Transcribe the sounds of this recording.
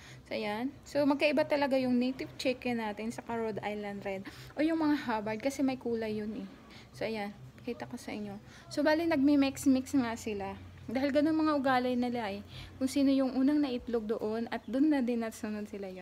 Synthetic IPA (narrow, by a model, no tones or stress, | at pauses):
soʔɐjanso̞mɐɡ̚kɐʔɪbat̪ɐlɐɡajʊŋnejt̪ɪvt͡ʃɛkɛnaːt̪ɪnsɐkɐɹod̪ʔajlɐnd̪ɾɛd̪̚ʔo̞jʊŋmɐŋahabɐɹd̪̚kɐsɛmɐjkuːlɐjːonɛ | soʔɐjanpɐkiːt̪ɐko̞sɐʔɪɲːo̞ | sobaːlɪŋnɐɡ̚mɛmɛksmɪksŋasɪla | d̪aːhɪlɡɐnonmɐŋaʔʊɡaːlɐjnɪlaʔɛkʊŋsiːno̞jʊŋʔuːnɐŋnɐʔɪt̪loɡ̚d̪o̞ʔo̞nɐt̪̚d̪ʊnːɐd̪ɪnɐsʊnod̪sɪlajo